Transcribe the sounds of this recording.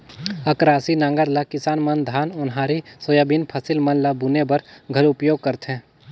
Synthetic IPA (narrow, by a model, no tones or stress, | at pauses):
ɐkɾaːsinãːŋɡəɾlakɪsaːnmɐnd̪ʱaːnʊnɦaːɾisojaːbinpʰɐsɪlmɐnlabunebɐɾɡʱɐlʊpjoːɡ̚kəɾt̪ɦɛ̃ː